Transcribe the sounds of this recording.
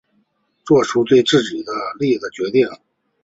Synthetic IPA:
t͡swɔ˥˩ʂʰu˥t͡swe˥˧ɪʈ͡ʂɻ̩˥˩t͡ɕi˨˩d̪ə˦li˥˩d̪ə˩t͡ɕɥɛ˧˥t̪i˥˩ŋ

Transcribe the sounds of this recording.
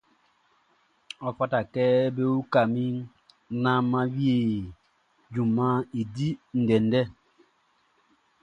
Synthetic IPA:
ɔ˦fa˦ta˨kɛ˦be˦u˦ka˨mi˦ | na˦mːa˦wi˦e˨ | d͡ʒu˨mːa˦i˨di˦n̩˨dɛ˨ndɛ˦

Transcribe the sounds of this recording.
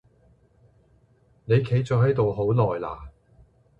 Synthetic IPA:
ne˨˧jkʰe˨˧˥jt͡sœː˨˧hɐ˨˥jt̪o˨wɦo˨˥wlɔː˨˩jla̰ː˨˩

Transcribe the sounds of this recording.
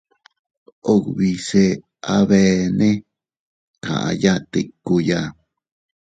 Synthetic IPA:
o˦˨kβi˧se˧ | a˧βe˧nẽ˦ | kã̰˨ʔã̰˧ja˦t̪i˧ku˧ja˦

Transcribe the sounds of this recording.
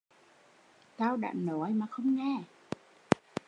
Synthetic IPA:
t̪aː˧wɗa̰ː˧˨nnɔ˨˦jmaː˨˩xə˧wŋ͡mŋɛ˧˩

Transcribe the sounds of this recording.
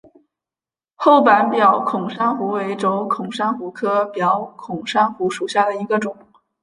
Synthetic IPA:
xo˥˩ʊpa˧˥npjɑ˨˥˩ʊkʰʊ˨˩ŋʂa˥nxu˧˥we˧˥ɪʈ͡ʂo˧˥ʊkʰʊ˨˩ŋʂa˥nxu˧˥kʰɤ˥pjɑ˧˥ʊkʰʊ˨˩ŋʂa˥nxu˧˥ʂu˨˩ɕja˥˩d̪ə˩i˧˥ɡə˧ʈ͡ʂʊ˨˩˦ŋ

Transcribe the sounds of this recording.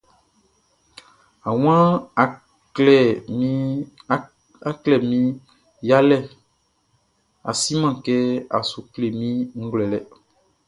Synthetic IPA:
a˨w̃ã˦˨ | lɛ˨˦ | a˦klɛ˦˨mĩ˦ | ja˦lɛ˦˨ | a̰˨si˦mã˦˨kɛ˦a˨su˨kle˨mĩ˦ŋ̩˦ɡlɛ˨lɛ˨

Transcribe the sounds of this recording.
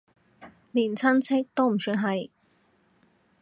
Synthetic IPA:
liː˨˩nt͡sʰɐ˥nt͡sʰɪ˥k̚t̪o˥wm̩˨˩syː˧˥nɦɐ˨j

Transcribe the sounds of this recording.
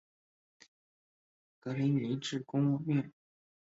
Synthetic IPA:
kɤ˧˥li˧˥ni˧˥ʈ͡ʂɻ̩˥˩kʊ˥ŋwɔ˥˧ɛ˥˩n

